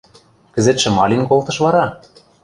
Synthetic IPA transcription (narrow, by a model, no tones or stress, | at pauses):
kɘ̆zet̪ʃɘ̆mɑlʲinkolt̪ɤ̆ʃβɑɾɑ